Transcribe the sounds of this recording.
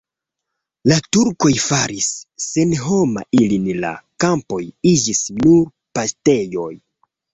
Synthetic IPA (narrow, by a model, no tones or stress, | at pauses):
latuɾko̞jfaɾisːenɦo̞ma̰ʔilinla̰kampo̞jid͡ʒisnuɾ | paste̞jo̞j